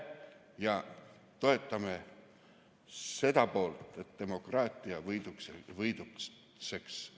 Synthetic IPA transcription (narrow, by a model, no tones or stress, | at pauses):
jɑ | t̪o̞e̞t̪ːˑɑme | se̞d̪̥ɑpo̞ːlt̪e̞t̪d̪̥e̞mo̞krɑːt̪ˑiɑvɤjd̪ukvɤjd̪u | se̞ks